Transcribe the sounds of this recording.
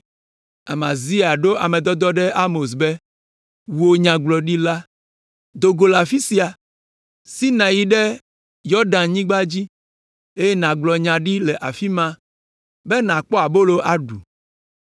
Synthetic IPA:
a˨mã˨zi˦a˨ɖo˦ʔa˨mẽ˨d̪ɔ˦d̪ɔ˦ɖɛ˦ʔa˦mo˨s̬be˦ | wu˨o˨ɲã˨ɡ͡blɔ˨ɖi˦la˦ | d̪o˨ɡo˨la˨fi˦si˨˦a˨ | si˦nã˨ji˨ɖe˦ | jɔ˦ɖã˨nɲĩ˦ɡ͡ba˦d͡ʑi˦ | e˦je˦nã˨ɡ͡blɔ˨ɲã˨ɖi˦lɛ˨ʔa˨fi˦mã˦ | be˦nã˨k͡pɔ˦a˨bo˦lo˦ʔa˨ɖu˨

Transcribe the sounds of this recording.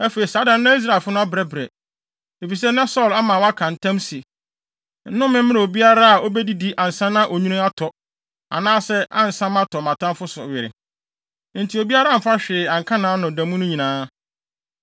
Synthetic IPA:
æ˦fe˨ɾi˨saː˨˦dã˨n̩˦nã˦i˦s̬ɾa˦˨lfʊ˦nʊ̃˦a˦bɾɛ˨˦bɾɛ˨ | e˨fi˨s̬ɛ˦nã˦sɔ˦˨la˦mã˨wa˦kʰã˨n̩˦tʰã˦msi˨ | n̩˦nʊ̃˦mɪ̃˦m̩˦mɪ̃˦ɾa˨o˨bi˦a˦ɾa˦a˨o˦bɛ˦di˦di˦ʔã˨n̩˨sã˦nã˦ʔo˨ɲũ˦nʊ̃˦a˦tʰɔ˨ | a̰˨nãː˦sɛ˦ʔã̰˦n̩˨sã˦mã˦tʰɔ˨mã˨tʰã˦m˦fʊ˦sʊ̰˨ɥɪ˨ɾɪ˨ | n̩˨tʰi˨o˨bi˦a˦ɾa˦˨m̩˨fa˦ɕᶣɪː˨ã˨ŋ˨kʰã˦nãː˨˦nʊ̃˨dã˨mũ˦nʊ̃˦ɲĩ˨nãː˦

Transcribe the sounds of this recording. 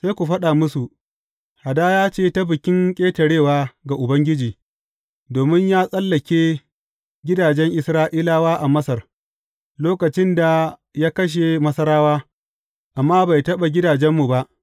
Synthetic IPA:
se˦jkʷu˨ɸɐ˦ɗaː˨mʊ˦su˨ʔ | ha˨daː˦jaː˦t͡ʃeː˦ta˦bɪ˨kʲɪ˦ŋkʲʼeː˦tɐ˨ɽeː˦˨waː˦ɡa˨ʔʊ˨bɐ˦ŋɡʲɪ˦d͡ʒiː˨ | doː˨mɪ˦ɲjaː˦sʼɐ˦lːɐ˨kʲeː˦ | ɡʲɪ˦daː˨d͡ʒɛ˦ŋʔɪ˨sɾaː˦ʔiː˦laː˦waː˦ʔa˨mɐ˦sɐ˨r | loː˦kɐ˨t͡ʃɪ˦nda˨jaː˦kɐ˦ʃ̬e˨mɐ˦sɐ˦ɾaː˦waː˦ | ʔa˨mːaː˦ba˨jtɐ˦ɓa˨ɡʲɪ˦daː˨d͡ʒɛ˦mːu˨ba˦ʔ

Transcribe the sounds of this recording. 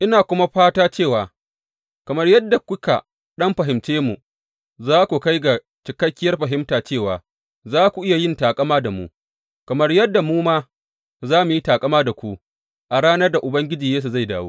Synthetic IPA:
ʔɪ˦naː˨kʷʊ˦ma˦ɸaː˦taː˦t͡ʃeː˦˨waː˨ | kɐ˨mɐ˦rjɐ˦dːa˨kʷʊ˦ka̰˨ | ɗɐ˦mɸɐ˨ɦɪ˨mt͡ʃeː˦mu˨ | zaː˦kʷu˨ka˦jɡa˨ | t͡ʃɪ˨kɐ˦kʲːɪ˦jɐ˦rɸɐ˨ɦɪ˦mtaː˨t͡ʃeː˦˨waː˨ | zaː˦kʷu˨ʔɪ˦ja˨jɪ˦ntaː˨kʼɐ˦maː˦da˨mṵ˦ | kɐ˨mɐ˦rjɐ˦dːa˨muː˦maː˦ | zaː˦mu˨ji˦taː˨kʼɐ˦maː˦da˨kʷu˦ | ʔa˨ɽaː˦nɐ˦rda˨ʔʊ˨bɐ˦ŋɡʲɪ˦d͡ʒiː˨jeː˦s̬u˨za˦˨jdaː˨wo̰ː˦

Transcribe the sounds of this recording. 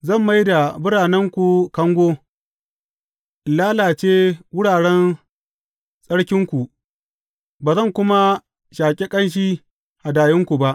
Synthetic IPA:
zɐ˦˨mːa˦jda˨bʊ˦ɽaː˨nɛ˦ŋkʷu˨kɐ˦ŋɡʷoː˦ | laː˦laː˨t͡ʃeː˦wʊ˦ɽaː˨ɽɛ˦n | sʼɐ˦ɽkʲɪ˦ŋkʷu˨ʔ | baː˨zɐ˦˨ŋkʷʊ˦ma˦ | ʃaː˨kʲʼe˦kʼɐ˦nʃ̬iː˦ | ha˨daː˨jɪ˦ŋkʷu˨ba˦ʔ

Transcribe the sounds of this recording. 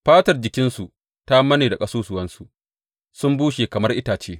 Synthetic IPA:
ɸaː˦tɐ˨rd͡ʒɪ˨kʲɪ˦nsu˨ | ta˦mɐ˦neː˨da˨kʼɐ˦soː˦sʊ˨wɐ˦nsu˨ʔ | sʊ˦mbuː˦ʃeː˨kɐ˨mɐ˦rʔɪ˦taː˨t͡ʃeː˦

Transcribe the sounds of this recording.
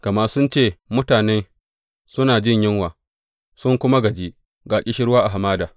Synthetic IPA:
kɐ˨ma˦ʔsʊ˦nt͡ʃeː˦˨mʊ˦taː˨neː˦ | sʊ˦naː˨d͡ʒɪ˦˨ɲjɪ˦ŋwaː˨ | sʊ˦ŋkʷʊ˦ma˦ɡɐ˨d͡ʒiː˦ʔ | ɡaː˨kʲʼɪ˦ʃɪ˦ɽwaː˦ʔa˨ɦa˨maː˦daː˨

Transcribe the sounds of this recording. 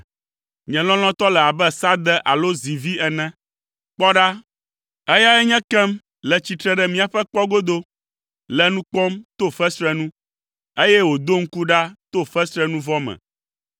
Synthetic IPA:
ɲɛ̃˨lɔ̃˦l̃ɔ̃˦t̪ɔ˦lɛ˨a˨bɛ˦sa˦d̪ɛ˦ʔa˨lo˦zi˨vi˦ɛ˨nɛ̃˦ | k͡pɔ˦ɖa˦ | ɛ˦ja˦ɛ˦ɲɛ̃˦kɛ˦m | lɛ˨t͡ɕi˨t̪ɾɛ˨ɖɛ˦mĩ˦a˨ɸɛ˦k͡pɔ˦ɡo˦d̪o˦ | lɛ˦nũ˦k͡pɔ̃˦mt̪o˦fɛ˦sɾɛ˦nũ˦ | e˦jɛ˦wo˨d̪o˦ŋ̩˦ku˦ɖa˦t̪o˦fɛ˦sɾɛ˦nũ˦vɔ˦mɛ̰̃˨

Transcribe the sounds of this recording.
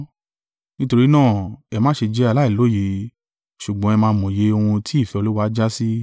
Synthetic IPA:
nĩ˦to˧ɾi˦nãː˦˨ɛ˧mãː˦ʃe˧d͡ʒɛ˧˦a˧la˦i˦˨lo˨˦˨je˨˧ | ʃu˨ɡ͡bɔ̃˨˦ɛ˧mãː˧˦˧mɔ̃˨je˨˦o˧hũ˧tʰi˦i˦˨fɛ˨˧o˧lu˦wa˦d͡ʒa˦si˦

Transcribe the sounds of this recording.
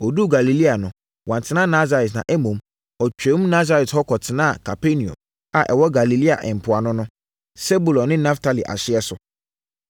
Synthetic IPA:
ɔ˨du˦ɡa˨li˨li˦a˨nʊ̃˨ | wʔã˨ntʰɪ˨nã˦˨na˦za˨ɾɛ˨tnã̰˨ʔɛ˦mõ˨m | ɔ˨t͡ɕᶣɛ̃˨˦m˦na˦za˦ɾɛ˨thɔ˦kʰɔ˨tʰɪ˨nã˦˨kʰa˨pʰe˦nĩ˨ɔ̰̃˨m | a˨ʔɛ̰˨wɔ˦ɡa˨li˨li˦a̰˨ʔɛ̃˨m̩˨pʰʊ˨a˨nʊ̃˦nʊ̃˦ | se˦bu˨lɔ̃˨nːɪ̃˦nã˦ftʰa˨li˨ʔa̰˨ɕɪ˦ɛ˦sʊ˨

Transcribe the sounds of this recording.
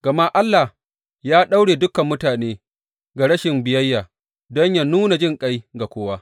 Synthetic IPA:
ɡ̥ɐ˨ma˦ʔa˦lːa˨h | jaː˦ɗa˦wɽeː˨dʊ˦kɐ˨mːʊ˦taː˨neː˦ | ɡa˨ɽɐ˦ʃɪ˨mbɪ˨jɐ˦jːaː˨ | dɔ˦ɲja˦nuː˦na˨d͡ʒɪ˦˨ŋkʼa˦jɡa˨kʷoː˦waː˦

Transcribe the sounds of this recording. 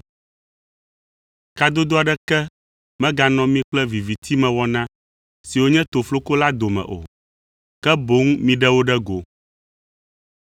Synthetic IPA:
ka˦d̪o˦d̪o˦a˨ɖɛ˦kɛ˦ | mɛ̃˦ɡa˨nɔ̃˦mĩ˦k͡plɛ˦vi˨vi˨t̪ʰi˦mɛ̃˨wɔ˦nã˦ | si˨wo˦ɲɛ̃˦t̪o˨flo˦ko˦la˦d̪o˨mɛ̰̃˨ʔo̰˨ | kɛ˦bo˦ŋmĩ˦ɖɛ˦wo˦ɖɛ˦ɡo˨

